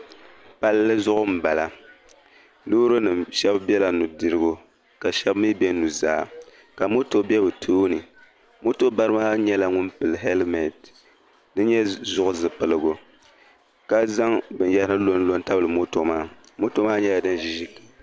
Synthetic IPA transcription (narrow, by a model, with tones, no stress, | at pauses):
pa˦lːɨ˦zʊ˦ʔʊ˦m̩˨ba˨la˨ | nuː˦ɾo˦nɨ˨mʃɛ˦bbɛ˦la˨nu˨dɨ˨ɾɨ˦ɡo˦ | ka˨ʃɛ˦bmi˦bɛ˦nu˨za̰ː˦˨ | ka˨mo˦to˨˦bɛ˦bɨ˨tʰoː˦nɨ˨ | mo˦to˦ba˦ɾɨ˦maː˦ɲɛ˦la˨ŋʊ˦npɨ˨lɨ˨ɦɛ˦lmɛ˨d | nɨ˦ɲɛ˦zʊ˦ʔʊ˦zɨ˨pɨ˨lɨ˦ɡo˨ | ka˦za˦ŋbɨ˨njɛ˦hɨ˦nɨ˦lo˦n˦lo˦n˦ta˦bɨ˦lɨ˨mo˦to˨maː˦ | mo˦to˦maː˦ɲɛ˦la˨dɨ˦nʒi˦ʒi˦kːi˨